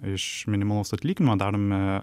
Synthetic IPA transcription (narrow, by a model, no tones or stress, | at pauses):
ɪʃmʲɪnʲɪmɐlˠoʊsɐt̪ʲlʲiːkʲɪnʲɪmoːd̪ɑːɾoːmʲɪ